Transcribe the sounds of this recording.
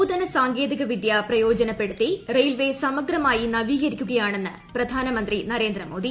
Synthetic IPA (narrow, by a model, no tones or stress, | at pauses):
ud̪ɐnɐsaːŋɡe̞ːd̪iɣɐʋid̪japrɐjo̞ːd͡ʑɐnɐpːe̞ɽut̪ːirejlʋe̞sɐmɐɡɾɐmaːjinɐʋiːɣɐɾikʲːuɣɐjaːɳe̞nːɨ | prɐd̪ʱaːnɐmɐnd̪rinɐɾe̞ːnd̪ɾɐmo̞ːd̪i